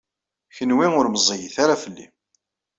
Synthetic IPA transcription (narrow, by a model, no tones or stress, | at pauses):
çənwiŋʊɾməzˤijəθaɾafəlːḭ